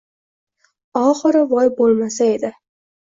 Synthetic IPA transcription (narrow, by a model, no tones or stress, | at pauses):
ɒχɨɾɪvɒjbolˠmasae̞d̪ɪ